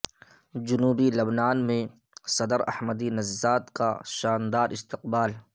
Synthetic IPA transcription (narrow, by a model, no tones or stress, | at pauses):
d͡ʒʊnuːbilɐbnaːnmẽ | sɐd̪əɾɐ̰hməd̪inɐzːaːt̪kaʃaːnd̪aːɾʔɪst̪ɪqbaːl